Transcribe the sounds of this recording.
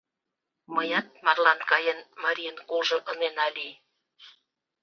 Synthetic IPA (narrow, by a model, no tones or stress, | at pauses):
məjɑt̪̚mɑrlɑnkɑjenmɑɾʲijənkolʒɤ̆ʔə̆nenɑli